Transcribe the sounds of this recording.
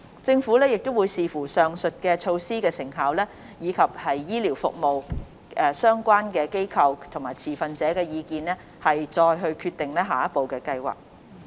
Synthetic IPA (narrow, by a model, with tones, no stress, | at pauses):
t͡sɪ˧ŋfuː˨˥lɛː˥jɪ˨k̚t̪o˥wuː˨˧jsiː˨fuː˨˩sœː˨ŋsɵ˨t̚kɛː˧t͡ʃʰo˧wsiː˥kɛː˧sɪ˨˩ŋɦaː˨˧wlɛː˥ | jiː˨˧kʰɐ˨p̚hɐ˨jːiː˥liː˨˩wfʊ˨k̚mo˨w | ɛː˧sœː˥ŋkʷaː˥nkɛː˧ke˥jkʰɐ˧wt̪ʰʊ˨˩ŋmaː˨˩t͡sʰiː˨˩fɐ˨nt͡sɛː˨˥kɛː˧jiː˨˧kiː˧nlɛː˥ | hɐ˨jt͡sɔː˧jɦɵ˧ɥkʰyː˧t̪ɪ˨ŋlɛː˥ɦaː˨jɐ˥t̚po˨wkɛː˧kɐ˧jwa̰ː˨k̚